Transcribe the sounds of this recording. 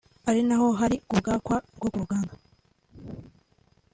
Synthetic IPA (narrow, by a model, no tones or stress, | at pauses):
aɾinaho̞ɦaɾikub̚ɡaːkwaɡokuɾuɡaːŋɡa